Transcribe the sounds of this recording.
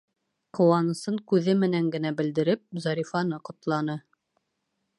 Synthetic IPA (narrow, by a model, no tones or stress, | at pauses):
qŏwɑnɤ̆sɤɴkʉðɘmɘ̆næŋɡɘ̆næbɘ̆ld̪ɘ̆ɾɘp̚zɑɾʲifɑnɤqŏt̪lˠɑnɤ